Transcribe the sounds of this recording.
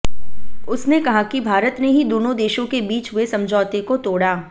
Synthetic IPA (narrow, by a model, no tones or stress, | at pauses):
ʊsnekɐɦakibʱaːɾət̪neɦid̪oːnõd̪eːʃõkebiːt͡ʃʋesɐ̃md͡ʒʱɔːt̪ekot̪oːɽaː